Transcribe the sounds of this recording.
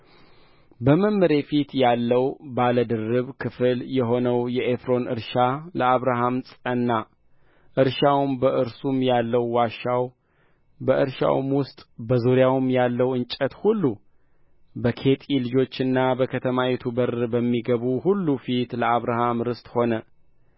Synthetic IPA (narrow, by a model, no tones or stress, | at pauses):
bəmɨmːɨɾe̞fit̪jalːəwbaləd̪ɨrːɨβkʰɨfɨljɛɦo̞nəwjɛʔefɾo̞nʔɨ̰ɾʃaləaβɾaɦamsʼənːa | ʔɨɾʃawmbəʔɨɾsumjalːəwːaʃaw | bəʔɨɾʃa̰wmwʊst̪ʼbəzuɾjawmjalːəwɨnt͡ʃʼət̪hulːu | bəkʰe̞t̪ʼilɨd͡ʒo̞t͡ʃːɨnːabəkʰət̪ʰəmawɛt̪ʰubəɾbəmːiɡəβuhulːufit̪ləaβɾaɦamɾɨst̪ʼho̞nə